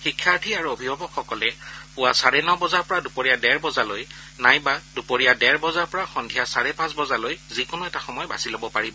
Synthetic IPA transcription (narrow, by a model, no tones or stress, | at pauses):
xikʰːaɹʈʰiaɹuobʱibʱɔbɔkxɔkɔlɛpʊwasaɹɛnɔbɔzaɹpɔɹadupoɹijadɛɹbɔzaloj | najbadupoɹijadɛɹbɔzaɹpɔɹaxɔndʱijasaɹɛpãsbɔzalojzikʊnʊɛtaxɔmɔjba̰silobɔpaɹibɔ